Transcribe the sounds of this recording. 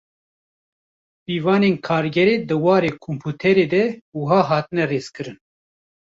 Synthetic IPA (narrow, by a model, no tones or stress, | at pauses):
piːvɑːneːnkʰɑːɾɡɛɾeːd̪ɨwɑːɾeːkʰompʰuːt̪ʰɛɾeːd̪ɛuɦɑːɦɑːt̪ɨnɛreːzkɨɾɨn